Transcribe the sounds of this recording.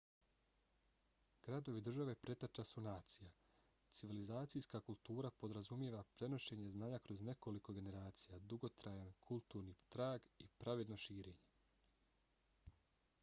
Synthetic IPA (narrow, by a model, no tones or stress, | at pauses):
ɡ̥ɾad̪o̞ʋid̪r̩ʒaʋe̞pɾe̞t̪at͡ʃasunaːt̪sija | t̪siʋilizaːt̪sijskakulˠt̪uːɾapo̞d̪ɾazumjeʋapɾe̞no̞ʃe̞ɲe̞znaːɲakɾo̞zne̞ko̞liko̞ɡe̞ne̞ɾaːt̪sijad̪uɡo̞t̪ɾajankʰulˠt̪uːɾnit̪ɾaːɡipɾaʋe̞d̪no̞ʃiːɾe̞ːɲe̞